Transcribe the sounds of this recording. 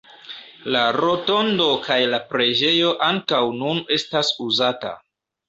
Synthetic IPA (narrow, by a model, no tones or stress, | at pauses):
laɾo̞to̞ndo̞kajlapɾe̞d͡ʒe̞jo̞ʔaŋkawnune̞stasuzata̰